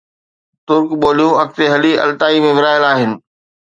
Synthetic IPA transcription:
t̪ʊɾkɓoːlijũɐk̚t̪eɦɐliɐ̰lt̪aːimẽʋɪɾaːjɪəlaːɦɪnɪ̆

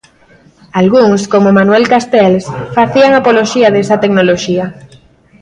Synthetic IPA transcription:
alɣuŋskomomanwɛlkast̪ɛlsfaθiaŋapoloʃiaðesat̪eknoloʃia

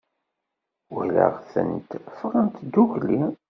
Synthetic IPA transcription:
wələ̰ʁθə̰nt̪fʁənt̪d̪uʝli

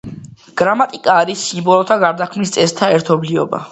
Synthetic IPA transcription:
ɡ̥ɾamat̪ʼikʼaːɾisːimbɔlˠɔt̪ʰaɡaɾd̪akʰmnist̪sʼɛst̪ʰaɛɾt̪ʰɔbliɔ̰ba̰

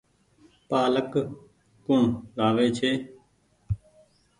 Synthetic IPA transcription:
paːlək | kʊɳlaːʋeːt͡ʃʰeː

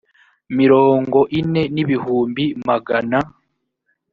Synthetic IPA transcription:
miɾo̞ːŋɡo̞ʔine̞niβihuːmbimaɡana

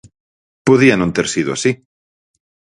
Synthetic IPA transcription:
poðiɐnõnt̪eɾsiðʊasi

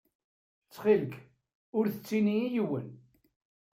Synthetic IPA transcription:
t͡sːχilk | ʊɾθət͡sːiniijwə̰n

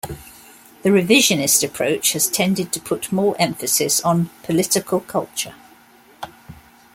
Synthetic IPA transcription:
ðəɹɪvɪʒənɪstəpʰɹ̥əʊt͡ʃhəz̥tʰɛ̃ndɪd̚tʰəpʰʊʔmɔːɹʔɛ̃ɱfəsɪsn̩pʰəlɪtɪkʰəlˠkʰʌlˠt͡ʃə̰

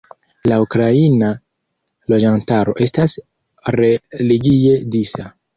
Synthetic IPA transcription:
laukɾaina | lo̞d͡ʒantaɾo̞ʔe̞stas | ɾe̞liɡie̞disa

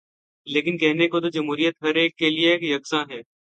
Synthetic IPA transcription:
leːkɪnkɛɦnekot̪od͡ʒɐmɦuːɾijət̪ɦɐɾeːkːelieeːkjɐksãːɦɛː

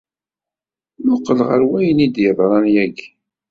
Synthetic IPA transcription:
mʊqːəlʁəɾwæjənid̪jəðˤɾˤɑnjæɡ

